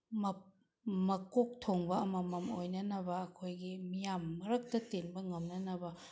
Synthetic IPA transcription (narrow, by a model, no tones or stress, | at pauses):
mɐ | mɐkok̚tʰoŋbɐɐmɐmɐmojnɐnɐbɐːkʰojɡimijamːɐɾɐk̚tɐtenbɐŋɐmnɐnɐbɐ